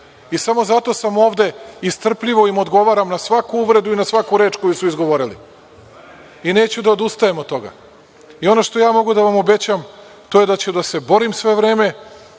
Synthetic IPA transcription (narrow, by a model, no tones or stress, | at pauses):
isamo̞zat̪o̞samo̞ːʋd̪e̞ist̪r̩pʎiʋo̞imo̞d̪ɡo̞ʋaɾamnasʋakuuʋɾe̞d̪uinasʋakuɾe̞ːt͡ʃko̞jusuizɡo̞ʋo̞ɾilḭ | ine̞ːt͡ɕud̪aod̪ust̪ajemot̪t̪ːo̞ɡa̰ | io̞no̞ʃt̪o̞jaːmo̞ɡud̪aʋamo̞be̞t͡ɕam | t̪o̞je̞d̪at͡ɕud̪ase̞bo̞ɾimsʋe̞ʋɾe̞ːme̞